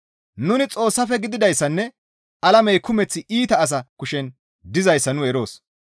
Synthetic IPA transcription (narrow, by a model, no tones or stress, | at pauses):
nʊnɪt͡sʼo̞ːsːɐfɛɡɪd̪ɪd̪ɐjsːɐnːɛ | ʔɐlɐmɛjkʊmɛt͡sːɪʔiːt̪ɐːs̬ɐkʊʃɛn | d̪ɪzɐjsːɐnʊɛɾo̞ːs